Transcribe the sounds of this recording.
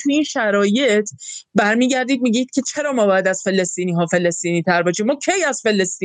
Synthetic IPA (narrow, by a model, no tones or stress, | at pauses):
t̪ʰuinʃæɾɒːje̞t̪ʰbæɾmiːɟæɾd̪iːd̪̚miːɡiːd̪̚cʰe̞t͡ʃʰe̞ɾɒːmɒːbɒːjæd̪æz̥fe̞le̞st̪iːniːɦɒːfe̞lest̪iːniːt̪ʰæɾbɒːʃiːmːɒːcʰe̞jæzfe̞lest̪iː